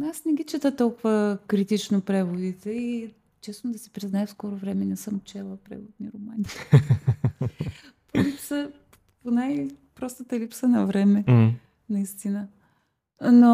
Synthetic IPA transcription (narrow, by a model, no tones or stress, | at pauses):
nasnɛɡ̟it͡ʃɛt̪ət̪ɔlˠkʊvəkɾit̪it͡ʃnopɾɛvod̪it̪ɛi | t͡ʃɛsnod̪ɐsɛpɾiznaɛfskɔɾovɾɛmɛnɛsəmot͡ʃɛlˠəpɾɛ̰vod̪̚niɾoman | polipsə | ponajpɾɔst̪ət̪ɐlipsənɐvɾɛmɛ | nɐist̪inə | no